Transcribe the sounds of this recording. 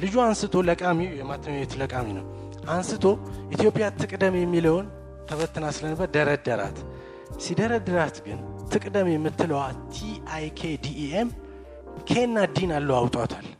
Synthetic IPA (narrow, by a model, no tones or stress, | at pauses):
lɨd͡ʒuansɨt̪ʰo̞ləkʼamijɛmat̪ʰːəmawɛt̪ʰləkʼaminəw | ʔansɨt̪ʰo̞ʔit̪ʰjo̞pʼijat̪ʰɨkʼd̪əmjɛmːiləwn | t̪ʰəβət̪ʰːɨnasɨlənbəɾd̪əɾəd̪əɾa̰t̪ | sid̪əɾəd̪əɾat̪ɡɨnt̪ʰɨkʼd̪əmjɛmːɨt̪ʰːɨləwat̪ʰiajkʰed̪iem | kʰenːad̪inalːəwawt̪ʼat̪ʰal